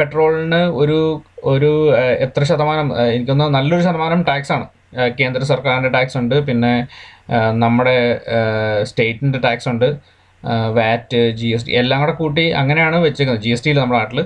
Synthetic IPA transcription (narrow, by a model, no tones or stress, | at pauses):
pe̞ʈro̞ːɭinɨo̞ɾuo̞ɾuet̪rɐɕɐd̪ɐmaːnɐmenikʲːo̞nːɐnɐlːo̞ɾuɕɐðɐmaːnɐmʈaːksaːɳɨ | ke̞ːnd̪rɐsɐrkaːɾinde̞ʈaːksuɳɖɨpinːe̞ | nɐmːuɽe̞ | ste̞ːtːɨndeʈaːksuɳɖɨ | ʋaːtːɨd͡ʑies̬ʈḭelːaːŋːɐɽekuːʈ̬ːiɐ̰ŋːɐne̞jaːɳɨʋɐt͡ɕːikʲːunɐðd͡ʑiesʈiilnɐmːuɽeaːʈːil